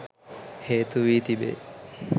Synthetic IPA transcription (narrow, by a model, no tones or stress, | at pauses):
heːt̪uʋiːt̪ibḛ